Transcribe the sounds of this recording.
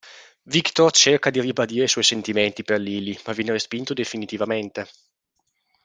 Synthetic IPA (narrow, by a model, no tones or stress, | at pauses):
vikt̪ort͡ʃerkad̪iribad̪iːɾesɔjsent̪iment̪iperliːlimavjɛːneɾespint̪od̪efinit̪ivament̪e